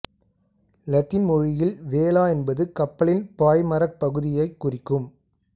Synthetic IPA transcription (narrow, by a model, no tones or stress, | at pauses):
lɐt̪ːɪnmɔɻɪjɪlʋeːlaːɛnbɐðɯkɐpːɐɭɪnpaːjmɐɾɐk̚pɐɣɯðɪjɐɪkːʊrɪkːɯm